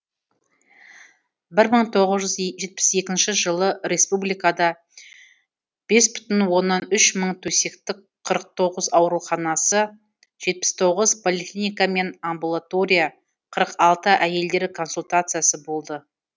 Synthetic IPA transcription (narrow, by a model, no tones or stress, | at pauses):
bɪɾməɴt̪ʰo̞ʁəzʒʏzʒe̞t̪̚pɪ̥se̞kʲɪnʃɪʒəlˠəɾe̞spublijkad̪ɑ | b̥e̞sbʏ̥t̪ɪnwo̞nːɑnʏʃməɴt̪ʰɵse̞kt̪ɪk̚ | qʰːəɾəq̚t̪ʰo̞ʁəzɑwɾuχɑnɑsə | ʒ̥e̞t̪̚pɪ̥st̪ʰo̞ʁəzpʰo̞lʲˠiklʲinijkame̞nambulˠat̪o̞ɾʲija | qʰəɾəqɑlˠt̪əʔæje̞ld̪e̞ɾkʰo̞nsulʲt̪at̪sɨjasəbo̞lˠd̪ə